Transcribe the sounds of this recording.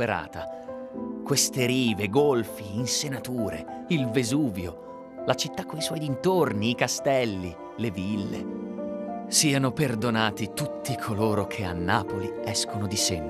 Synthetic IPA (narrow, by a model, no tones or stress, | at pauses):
eɾa̰ːt̪a | kwest̪eɾiːveɡolfiːnsenat̪uːɾḛilvezuːvjo | lat͡ʃit̪ːakːoiswɔjint̪orniːkast̪ɛlːi | levilːḛ | siːanoperd̪onaːt̪it̪ut̪ːikʰoloːɾokʰea̰nːaːpoliɛskonod̪isem